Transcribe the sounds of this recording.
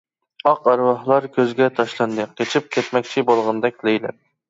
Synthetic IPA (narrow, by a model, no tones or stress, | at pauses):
ɑqɑɾwɑhlˠɑɾkʲʰøzɡʲɛt̪ʰɑʃlˠɑnd̪ɨqʲet͡ʃʰip̚kʲʰɛt̪mɛkʲt͡ʃʰibolˠʁɑnd̪ɛk̚ʲlejlɛ̰p̚